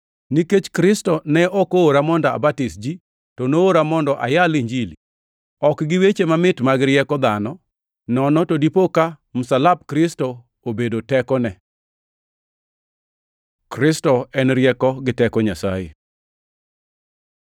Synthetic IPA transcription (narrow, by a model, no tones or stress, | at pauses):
niket͡ʃkɾɪstɔnɛɔkoːɾamɔndɔa̰batisd͡ʒi | tɔnooɾamɔndɔʔa̰jaliɲd͡ʒili | ɔkɡɪwet͡ʃemamɪtmaɡɾɪjɛkɔd̪anɔ | nɔnɔtɔdipoka | mʊsalab̚kɾɪsto | obedotɛkɔnɛ | kɾɪstɔɛnɾjɛkɔɡɪtɛkɔɲasa̰jḛ